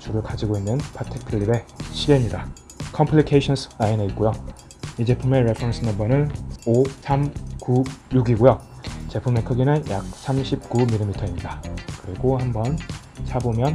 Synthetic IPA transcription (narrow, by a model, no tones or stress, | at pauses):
t͡ɕuɾɯɭkad͡ʑiɡoinːɯnpʰatʰek̚pʰiɭːiɾe̞ɕʰiɾeɲida | kʰʌmpʰlikʰeɕʰʌns͈ʰɯ̥aine̞it̚k͈ojo | id͡ʑe̞pʰuŋme̞ɾe̞pʰɾʌns͈ʰɯnʌbʌnɯnosʰamkujuɡiɡojot͡ɕe̞pʰumekʰɯɡinɯnjak̚sʰamɕʰip̚k͈umilːimitʰʌiɲidakɯɾiɡohambʌn | sʰabomjʌn